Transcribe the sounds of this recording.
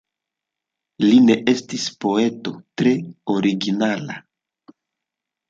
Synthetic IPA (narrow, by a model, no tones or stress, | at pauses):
line̞ʔe̞stispo̞e̞to̞tɾe̞oɾiɡinala̰